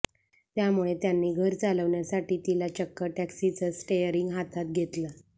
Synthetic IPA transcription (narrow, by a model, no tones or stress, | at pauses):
t̪jamuɭet̪janːiːɡʱəɾt͡saləʋɳjasaʈiːt̪ilat͡ɕəkːəʈæksit͡səsʈejəɾiŋɡɦat̪ʰat̪̚ɡʱet̪lə